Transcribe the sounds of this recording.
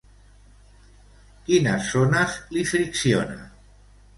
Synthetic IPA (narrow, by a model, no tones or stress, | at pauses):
kinasonaslifɾiksjo̰na̰